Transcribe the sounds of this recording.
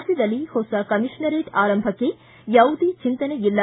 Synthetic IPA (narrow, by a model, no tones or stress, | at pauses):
d̪ɐd̪ɐlːihosɐkɐmiʂɳɐɾeːʈaːɾɐmbʱɐkːe | jɐwd̪it͡ʃint̪ɐneilːɐ